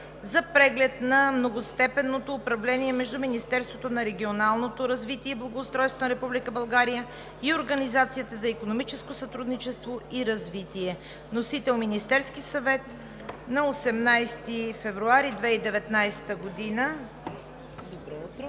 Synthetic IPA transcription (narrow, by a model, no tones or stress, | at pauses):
zɐpɾɛɡlɛt̪nɐmnoɡost̪ɛpɛnːot̪oːpɾɐvlɛniɛmɛʒd̪uminist̪ɛɾst̪vot̪onɐɾɛɡʲionalˠnot̪oɾɐzvit̪iɛblˠɐɡoʊːst̪ɾɔjst̪vonɐɾɛpublikəbɐlˠɡaɾijə | ioɾɡɐnizat̪sijət̪əzɐikonomit͡ʃɛskosɐt̪ɾud̪nit͡ʃɛst̪voiɾɐzvit̪iɛ | nosit̪ɛlˠminist̪ɛɾskisɐvɛt̪ | nɐosɛmnajst̪ifɛvɾuaɾid̪vɛid̪ɛvɛt̪najst̪əɡod̪inə | d̪obɾɛt̪